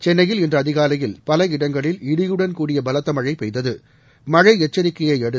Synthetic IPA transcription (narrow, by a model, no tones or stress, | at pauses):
t͡ʃɛnːɐjɪlɛndrɐːðɪɣaːlɐjɪlpɐlɐɪɽɐŋɡɐɭɪlɪɽɪjɯɽɐnkuːɽɪjɐbɐlɐt̪ːɐmɐɻɐɪpɛɪðɐðɯ | mɐɻɐɪɛt͡ʃːɐɾɪkːɐjɐɪɛɽɯ